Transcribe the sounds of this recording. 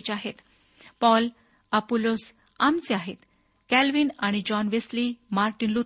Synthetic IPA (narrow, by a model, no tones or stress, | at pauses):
t͡ɕaɦet̪ | pɔl | apolos | amt͡seaɦet̪ | kælʋiːnaɽ̃id͡ʑɔnʋeslimaɾʈinlu